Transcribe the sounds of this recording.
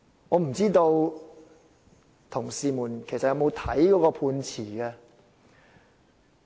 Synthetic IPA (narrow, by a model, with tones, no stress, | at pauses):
ŋɔː˨˧m̩˨˩t͡siː˥t̪o˧w | t̪ʰʊ˨˩ŋsiː˧muː˨˩nkʰe˨˩sɐ˨tjɐ˧wmo˨˧wt̪ʰɐ˨˥jkɔː˨˦˥kɔː˧pʰuː˧nt͡sʰiː˨˩ɡɛ˧